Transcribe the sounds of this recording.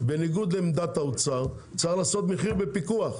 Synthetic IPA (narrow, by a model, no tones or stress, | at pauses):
be̞niɡud̪lemd̪at̪aut͡saʁ | kt͡saχlaːso̞t̪meχiʁbepikuaχ